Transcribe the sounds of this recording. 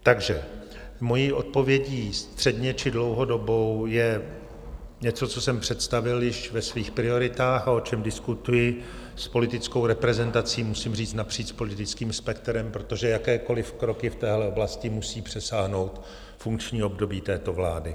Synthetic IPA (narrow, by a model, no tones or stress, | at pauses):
t̪aɡʒɛ | mo̞jiːʔo̞t̪̚po̞vjɛɟiːst̪r̥ɛdɲɛt͡ʃɪdlo̞wɦo̞do̞bo̞wjɛ | ɲɛt͡so̞t͡so̞sɛmpr̥ɛt̪st̪avɪljɪʃvɛsviːxpɾɪo̞ɾɪt̪aːxao̞t͡ʃɛmdɪskut̪ujɪ | spo̞lɪt̪ɪt͡sko̞wɾɛpɾɛzɛnt̪at͡siːmusɪmriːt͡st̪napr̥iːt͡ʃspo̞lɪt̪ɪt͡skiːmspɛkt̪ɾɛmpɾot̪o̞ʒɛjakɛːko̞lɪfkɾo̞kɪft̪ɛːɦlɛo̞blascɪmusiːpr̝̥ɛsaːɦno̞wt̪ | fuŋkt͡ʃɲiːo̞bdo̞biːt̪ɛːt̪o̞vlaːdɪ